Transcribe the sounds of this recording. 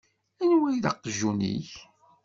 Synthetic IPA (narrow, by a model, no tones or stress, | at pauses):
ænwæjðɑqːəʒːunḭç